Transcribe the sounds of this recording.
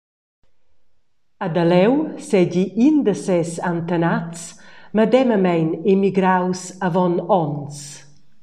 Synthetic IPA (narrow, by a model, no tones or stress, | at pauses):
ad̪alɛwsɛɟiʔind̪əsɛsant̪ənatt͡sməd̪ɛməmɛjnemiɡɾawsavɔnɔns